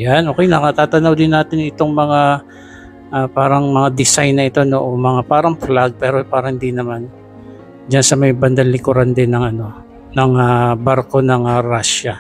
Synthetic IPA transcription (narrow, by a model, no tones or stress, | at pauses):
janʔoːkɛjnɐkɐt̪aːt̪ɐnɐwd̪ɪnːaːt̪ɪnɪt̪o̞ŋmɐŋa | ʔapaːɾɐŋmɐŋad̪ɪsajnːɐʔɪt̪o̞no̞ʔomɐŋapaːɾɐŋflaɡ̚pɛːɾopaːɾɐŋhɪnd̪inɐman | d͡ʒansɐmɐjbɐnd̪ɐlːɪkʊɾand̪ɪnːɐŋɐno̞ | nɐŋabaɾko̞nɐŋɐɾaʃɐ